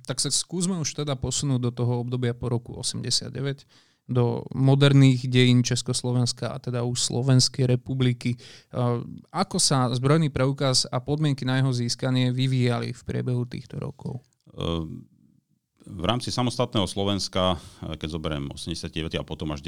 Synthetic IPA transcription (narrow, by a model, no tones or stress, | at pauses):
t̪aksaskuːzmɛuʃt̪ɛd̪apɔsunuːɟ̚d̪ɔt̪ɔɦɔɔbd̪ɔbɪapɔɾɔkuɔ̰sɛmɟɛsɪa̰d̪̚ɟɛʋɛc | d̪ɔ̰mɔd̪ɛɾniːɣɟɛjiːnt͡ʃɛskɔslˠɔʋɛnskaa̰t̪ɛd̪auʃslɔ̰ʋɛnskɛjɾɛpubliki | akɔsazbɾɔjniːpɾɛukazapɔd̪mɪɛŋkinajɛɦɔziːskaɲɪɛʋiʋiːjalḭfpɾɪɛ̰bɛɦut̪ḭːxt̪ɔɾɔ̰kɔ̰ʊ | vɾaːmt͡sisamɔst̪at̪̚nɛːɦɔslɔʋɛnskakɛɟzɔbɛɾɛ̰mɔ̰sɛmɲɟɛsjat̪̚kiɟɛʋɛat̪iapɔt̪ɔmaʒ